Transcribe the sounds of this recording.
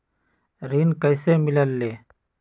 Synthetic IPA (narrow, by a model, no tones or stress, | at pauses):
ɾiːnkəjseːmɪləlːeː